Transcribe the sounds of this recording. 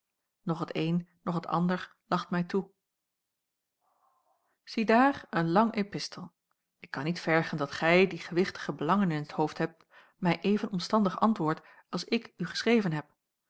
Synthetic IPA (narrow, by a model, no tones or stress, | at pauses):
nɔχətejnːɔχətʰɑ̰ndəɹ | lɑχtmɛjtu | z̥idaːrənlɑŋʔepɪstəlˠ | ɪkːɑnːitfɛɹχəndɑtχɛjdiχəʋɪχtə̥χəbəlɑŋənɪnɦəthowftɦɛp̚t | mɛjʔejvənɔmstɑndəχɑ̰ntʋʊːɹt | ɑlˠsɪkyχə̥srejvənɦɛp̚